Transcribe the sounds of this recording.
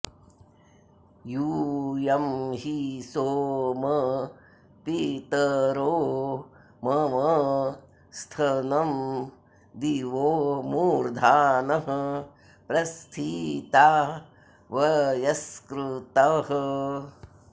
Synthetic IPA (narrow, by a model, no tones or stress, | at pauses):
juːjɐmɦisoːmɐ | pit̪ɐɾoː | mɐʋɐ | st̪ʰɐnɐm | d̪iʋoːmuːɾd̪ʱaːnɐɦɐ | pɾɐst̪ʰit̪aː | ʋɐjɐskɾut̪ɐɦɐ